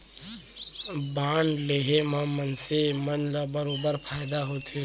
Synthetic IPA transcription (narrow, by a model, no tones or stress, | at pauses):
banleɦemãmənsemənlabəɾobəɾpʰaːjd̪aɦot̪ʰe